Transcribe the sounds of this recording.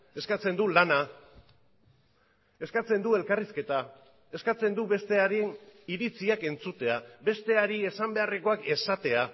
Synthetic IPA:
e̞skat͡se̞nd̪ulana | e̞skat͡se̞nd̪ue̞lkariske̞t̪a | e̞skat͡se̞nd̪uβe̞st̪e̞aɾiniɾit͡siake̞nt͡sut̪e̞abe̞st̪e̞aɾie̞sambe̞are̞ko̞ake̞sat̪e̞a

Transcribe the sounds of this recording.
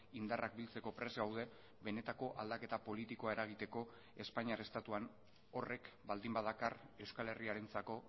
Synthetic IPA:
ind̪arak̚bilt͡se̞ko̞pɾe̞zɣawðe̞ | be̞ne̞t̪ako̞ʔald̪ake̞t̪apo̞lit̪iko̞aeɾaɣ̞it̪e̞ko̞ | e̞spaɲiaɾe̞st̪at̪uan | o̞re̞kbald̪imbaðakare̞wskale̞riaɾe̞nt͡sako̞

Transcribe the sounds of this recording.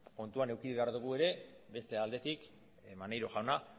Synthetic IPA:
ko̞nt̪uane̞wkiuβe̞aɾðuɣ̞ue̞ɾe̞ | be̞st̪e̞ald̪e̞t̪ik | manajɾoʝawna

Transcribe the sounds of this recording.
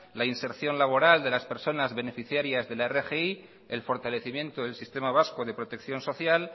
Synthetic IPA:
lainse̞ɾθjo̞nlaβ̞o̞ɾald̪e̞laspe̞ɾso̞nazβe̞ne̞fiθjaɾjazðe̞laerexei | e̞lfo̞ɾt̪ale̞θimjẽ̞nt̪oðelsist̪e̞maβ̞asko̞ðe̞pɾo̞t̪e̞kθjo̞nso̞θjal

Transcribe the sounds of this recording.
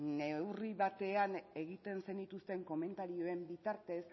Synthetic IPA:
ne̞wriβat̪e̞ane̞ɣ̞it̪e̞nse̞nit̪ust̪e̞ŋko̞me̞nt̪aɾio̞e̞mbit̪aɾt̪e̞s

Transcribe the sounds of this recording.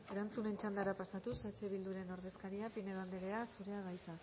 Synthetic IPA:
e̞ɾant͡sune̞nt͡ʃand̪aɾapasat̪usat͡ʃe̞βild̪uɾe̞no̞ɾðe̞skaɾiapine̞land̪eɣeasuɾe̞aɣajt͡sa

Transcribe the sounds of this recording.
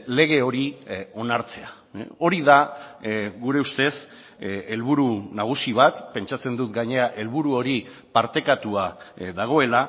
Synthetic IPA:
le̞ɣ̞e̞o̞ɾio̞naɾt͡se̞a | o̞ɾiða | ɣuɾe̞ust̪e̞s | e̞lβuɾunaɣ̞usiβ̞at̪pe̞nt͡ʃat͡se̞nd̪ut̪ɡaɲe̞aʔe̞lβuɾuo̞ɾi | paɾt̪e̞kat̪uaðaɣ̞o̞e̞la

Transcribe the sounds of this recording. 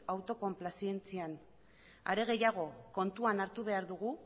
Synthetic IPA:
awt̪o̞ko̞mplasie̞nt͡sian | a̰ɾe̞ɣ̞e̞jaɣ̞o̞ko̞nt̪uanaɾt̪uβ̞e̞aɾðuɣ̞u

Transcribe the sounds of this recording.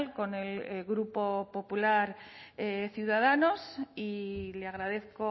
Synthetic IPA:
lko̞ne̞lɣɾupo̞po̞pulaɾeθjuðað̞ano̞sileaɣ̞ɾaðe̞θko

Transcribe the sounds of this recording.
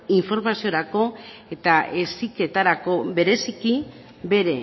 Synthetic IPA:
iɱfo̞ɾmasio̞ɾako̞e̞t̪ae̞sike̞t̪aɾako̞be̞ɾe̞siki | be̞ɾe̞

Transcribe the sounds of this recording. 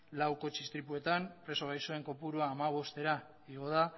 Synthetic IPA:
lawko̞t͡ʃist̪ɾipue̞t̪ampɾe̞so̞ɣajso̞e̞ŋko̞puɾuaːmaβ̞o̞st̪e̞ɾa | iɣoða

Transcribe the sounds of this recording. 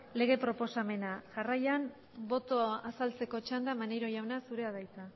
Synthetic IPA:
le̞ɣ̞e̞pɾo̞po̞same̞naʝarajan | bo̞t̪o̞asalt͡se̞ko̞t͡ʃand̪amanejɾo̞jawnasuɾe̞aðajt͡s̪a

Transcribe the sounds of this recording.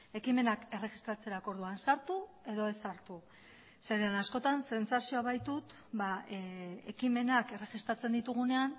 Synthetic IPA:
e̞kime̞nake̞re̞ɣist̪ɾat͡se̞ɾako̞ɾð̞uansaɾt̪u | e̞ðo̞e̞saɾt̪u | seɾeanasko̞t̪anse̞nsasio̞aβajt̪ut̪ | ba | e̞kime̞nake̞re̞ɣist̪ɾat͡se̞nd̪it̪uɣ̞une̞an

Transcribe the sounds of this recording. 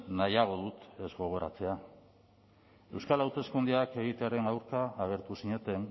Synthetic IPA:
najaɣ̞o̞ðut̪e̞zɣo̞ɣ̞o̞ɾa̰t͡se̞a | e̞wskalawt̪e̞skund̪iake̞ɣ̞it̪eaɾe̞nawɾkaːɣ̞e̞ɾt̪usiɲe̞t̪e̞n

